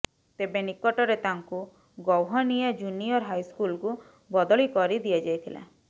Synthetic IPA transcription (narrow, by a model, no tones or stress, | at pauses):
t̪ebenikɔʈɔɾet̪aŋku | ɡɔwɦɔnijɔd͡ʒuniɔɾɦajskulku | bɔd̪ɔɭikɔɾid̪ijad͡ʒajt̪ʰila̰